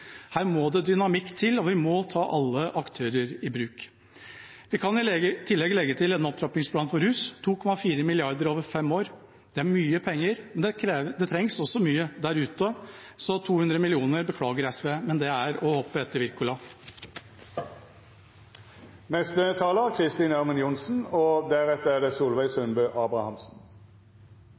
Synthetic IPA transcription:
hæːɾmɔd̪ɛd̪ʏnɑmɪkːt̪ʰɪlɔʋɪmɔt̪ʰɑːʔɑlːəʔɑkt̪ʰøːɾəɾɪbɾʉːk | ʋɪkʰɑnɪt̪ʰɪlːɛɡlɛɡːət̪ʰɪlɛnɔp̚t̪ɾɑp̪ɪŋspʰlɑːnfɔɾhʉːst̪ʰuːkʰɔmɑfiːɾəmɪlɪɑɾd̪əɾoːʋəɾfɛmoːɾ | d̪̥ɛæɾmyːəpʰɛŋːəɾmɛnːd̪ɛt̪ʰɾɛŋsɔsɔmyːəd̪æɾʉːt̪ə | sɔt̪ʰuːhʉnd̪ɾəmɪlɪuːnəɾbəkʰlɑːɡəɾɛsʋeːmɛnd̪ɛæɾɔhɔpːəɛt̪ːəɾʋɪɾkʊlɑ | nɛst̪ət̪ʰɑːləkʰʁɪst̪iːnæʁmənjʊnsn̩ɔd̪æʁɛt̪ːəæd̪ɛːsuːlʋæɪsœnbøːʔɑːbɾɑhɑmsn̩

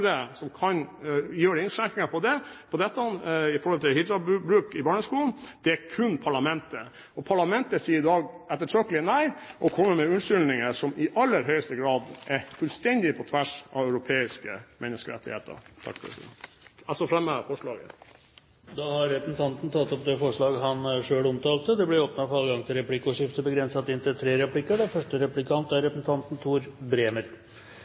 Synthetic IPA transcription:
ɾəsɔmkʰɑnjøːɾəɪnʂæk̪ːɪŋɑpʰɔd̪ɛpʰɔd̪ɛt̪ːəɔnɪfɔɾhɔlt̪ʰɪlhɪd̪ɾɑbʉbɾʉːkɪbɑːɳəskuːln̩d̪̥ɛæɾkʰʉnːpʰɑɭɑmɛnt̪ə | ɔpʰɑɭɑmɛnt̪əsiːəɾɪd̪ɑːɡ | ɛt̪ːətʰøːkəlɪnæɪʔɔkʰɔmːəɾmɛʉnʂʏlnɪŋəʂɔmɪʔɑlːəɾɦœʏəst̪əɡɾɑːd̪ʔɛfʉlst̪ɛnd̪ɪpʰɔt̪ʰʋæʂɑ̰ʋæʉɾʊpʰeːɪskəmʔɛnːəskəɾɛ̰t̪ːɪhḛːt̪ʰə̰ɾt̪ʰɑ̰kfɾɛ̰sɪ̰d̪ɑsɔfɾɛmːəfɔʂɭɑːɡə̰ | d̪ɑhɑɾːɛpəsn̩t̪ʰɑnt̪n̩t̪ʰɑt̪ːɔp̚d̪ɛfɔʂɭɑːɡɦɑnʂøːɽɔmt̪ɑːlt̪əd̪ɛblɛoːpnɑfɔɾɑləɡɑŋt̪ʰɪlɾɛplɪkːʊʂɪft̪əbəɡɾɛnsɑt̪ːɪnt̪ət̪ʰɾeːɾɛpʰlɪkːəɖɛfœʂʈəɾɛplɪkʰɑnt̪æɾɾɛpəsn̩t̪ʰɑnt̪n̩t̪ʰuːɾbɾeːməɾ

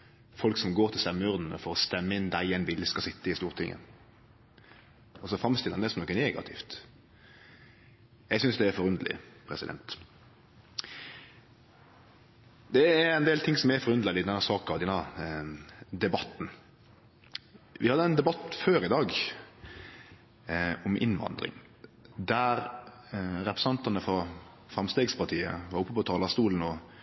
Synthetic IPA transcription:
fɔlksɔmɡoːɾt̪ʰɪlst̪ɛmːəʉʁd̪n̩ə̰fɔɾɔst̪ɛmːəɪnd̪æɪɛɪnʋɪlːəskɑsɪt̪ːəɪst̪uːʁt̪ʰɪŋʔə̰ | ɔsɔfɾɑmst̪ɪlɑnɛsɔmnɔkːəɛneːɡɑ̰t̪ʰɪ̰ft̪ | ɛɡsʏnsd̪ɛːɾfɔɾʉnd̪əlɪ̰pʰɾɛ̰sɪ̰d̪ɛ̰nt̪ | d̪ɛæɾɛnd̪eːlt̪ʰɪŋsɔmɛfɔɾʉnd̪ɑlɪd̪ɛnːɑɾsɑːkɑɑʋd̪ɛnːɑ | d̪ɛbɑt̪ːn | ʋʔɪhɑd̪əɛnd̪ɛbɑt̪føːɾɪd̪ɑːɡ | ɔmʔɪ̰nʋɑ̰nd̪ɾɪ̰ŋ | d̪æɾ | ɾɛpɾɛsɑnt̪ɑnəfɔ | fɾɑmst̪eːɡspɑɾt̪ʰiːə̰ʋɑɾʊpːəpɔt̪ʰɑːlɑst̪uːln̩ɔ

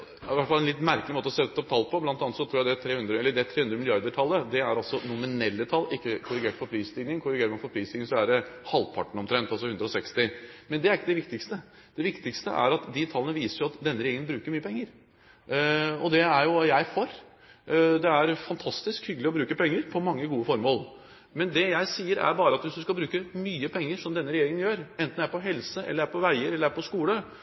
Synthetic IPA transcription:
ɪʋæʈfɑlɛnlɪt̪mæɾkəlɪmoːt̪əɔsɛt̪ːɔp̚t̪ʰɑlːpɔblɑnt̪ɑnət̪sɔt̪ʰɾuːjæɪd̪ɛt̪ʰɾeːhʉnd̪ɾəɛlːəɖɛt̪ʰɾeːhʉnd̪ɾəmɪlɪɑɾd̪əʈʰɑlːəd̪ɛæɾɑlsɔnʊmɪnɛlːət̪ʰɑlːɪkːəkʰʊɾɪɡeːʈfɔɾpʰɾiːst̪ɪɡnɪŋkʰʊɾɪɡeːɾəmɑnfɔɾpʰɾiːsd̪ɪnɪŋsɔæɖɛhɑlpʰɑ̰ʈɳ̩ɔmt̪ʰɾɛnt̪ɑlsɔhʉnd̪ɾɔsɛkst̪ɪmɛnd̪ɛæɾɪkːəd̪ɛʋɪkt̪ɪkst̪ə | d̪̥ɛʋɪkt̪ɪkst̪əʔæ̰ɾɑt̪d̪ɪt̪ʰɑlːənəʋiːsəɾjʊɑt̪d̪ɛnːəɾɪeːɡənbɾʉːkəɾmyːəpʰɛŋːəɾ | ɔd̪ɛæɾjʊjæɪfoːɾ | d̪ɛæɾfɑnt̪ʰɑst̪ɪskhʏɡəlɪɔbɾʉːkəpɛŋːəɾpʰɔmɑŋːəɡuːəfɔɾmoːl | mɛnd̪ɛjæɪsiːəɾæ̰ɾbɑːɾəɑt̪ʋɪsd̪ʉskɑbɾʉːkəmyːəpʰɛŋːəʂɔmd̪ɛnːəɾɛjeːɾɪŋənjøːɾɛnt̪næɾpɔɦɛlsəʔɛ̰lːəɾæɾpʰɔʋæɪəɾɛlːəɾæɾpʰɔskuːlə

